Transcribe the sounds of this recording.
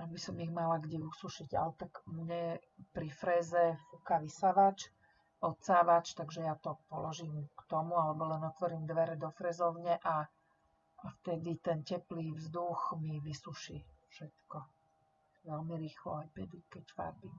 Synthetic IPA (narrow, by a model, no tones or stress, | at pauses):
abisɔmiɣmalaɡɟɛusuʃiɟa̰lt̪akmɲɛpɾifɾɛːzɛfukaʋisaʋat͡ʃ | ɔt̪saːʋat͡ʃt̪aɡʒɛjat̪ɔpɔlɔʒiːmkt̪ɔmualɛbɔlɛnɔt̪ʋɔɾiːmd̪ʋɛɾɛd̪ɔfɾɛːzɔʊɲɛʔa | aft̪ɛd̪it̪ɛncɛpliːvzd̪uxmiʋisuʃiːfʃɛt̪kɔ | ʋɛlmiɾiːxlɔ̰ajpɛd̪ikɛcfa̰ɾbim